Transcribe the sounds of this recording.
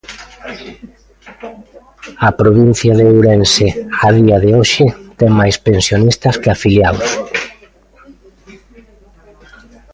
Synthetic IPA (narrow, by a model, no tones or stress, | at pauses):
ɐpɾoβin̟θjaðewɾenseaðiɐðeoʃɪt̪eŋmajspensjonist̪ɐskɪafiljaws